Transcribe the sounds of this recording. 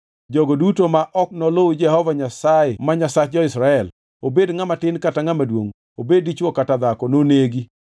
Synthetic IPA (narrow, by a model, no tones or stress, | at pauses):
d͡ʒɔɡodutomaʔɔknɔlod͡ʒɛhɔvaɲasaɛmaɲasat͡ʃ̚d͡ʒɔɪsɾaɛl | obedŋamatɪnkataŋamadwoŋ | obedit͡ʃwɔkatad̪akɔnoneɡi